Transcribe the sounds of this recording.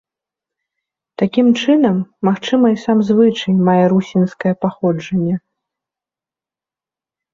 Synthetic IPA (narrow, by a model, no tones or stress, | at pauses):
t̪akʲimt͡ʂɨnɐmːaxt͡ʂɨmɐisamzvɨt͡ʂɐjmajɛɾusʲinskɐjɛpaxɔd͡ʐɐnʲːɛ